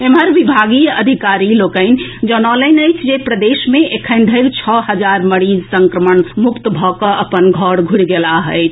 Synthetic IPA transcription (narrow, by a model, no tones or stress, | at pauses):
eməɾʋibʱaɡiəd̪ʱikaɾilokəɪnd͡ʒənɔləɪnəɪt͡ʃʰd͡ʒepɾəd̪esmeʔekʰənɖ̪ʱəɪɾt͡ʃʰɔɦəd͡ʒaɾməɽid͡ʒsəŋkɾəmənmukt̪bʱɔkəʔəpənɡʱɔɽɡʱuɽɡelaɦəɪt͡ʃʰ